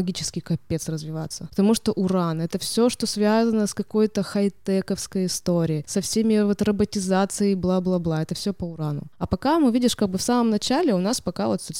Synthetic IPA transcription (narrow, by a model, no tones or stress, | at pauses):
ɡʲit͡ɕɪ̥skʲɪkɐpʲːet̪srəzvʲɪva̰t̪sːəpə̥t̪ɐmuʂt̪oʔʊɾanɛt̪əfsʲo̞ʂt̪osvʲazənəskɐko̞jt̪əxɐɪt̪ɛkəfskəjɪst̪oɾʲɪːsɐfsʲemʲɪvot̪rəbətʲɪzat̪sɨjəjblˠablˠablˠaɛt̪əfsʲopəʊɾanʊ̰ɐpɐkamɨvʲidʲɪʂkaɡ̚bɨfsaməmnɐt͡ɕælʲɪʊnaspɐkavot̪sʲot̪ʲ